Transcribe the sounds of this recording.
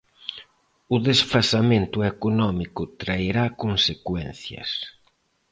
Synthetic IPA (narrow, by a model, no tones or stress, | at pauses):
ʊðesfasament̪ʊekonɔmikʊt̪ɾaiɾakonsekwɛnθjɐ̰s